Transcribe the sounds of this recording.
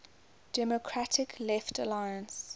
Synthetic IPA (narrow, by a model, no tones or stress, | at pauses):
d̥ɛmɔkʰɹatʰɪkʰlɛftəlajə̃ns